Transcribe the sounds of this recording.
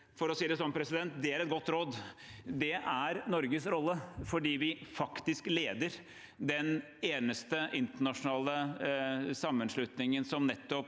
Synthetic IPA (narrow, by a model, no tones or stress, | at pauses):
fɔɾɔsiːɾəsɔnpʰɾɛsɪd̪ɛnt̪̚d̪ɛæɾɛt̪̚ɡɔt̪ːɾoːd̪d̪ɛʔæɾnɔɾɡəsɾɔlːəfɔɖiːʋɪfɑkt̪ɪskleːd̪əɾ | d̪ɛn | eːnəst̪əʔɪnt̪əɳɑʂʊnɑːlə | sɑmːənʂlʉt̪nɪŋənsɔmnɛt̪ːɔp